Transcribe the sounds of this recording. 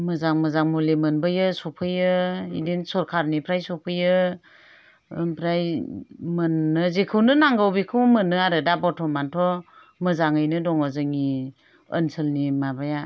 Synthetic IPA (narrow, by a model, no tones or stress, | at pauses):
mɯzaŋməzaŋmulimɯnbajɯsɔpʰɯjɯḭdensɔɾkʰaɾnipʰɾajsɔpʰɯjɯ | pʰɾajmənːɯzekʰɯwnɯnaŋɡawbikʰɯwmɯnːɯaɾɯdabɔtʰɔmantʰɔ | mɯzaŋɯjnɯdɔŋɔzɯŋi | ə̰nsəlnimabaja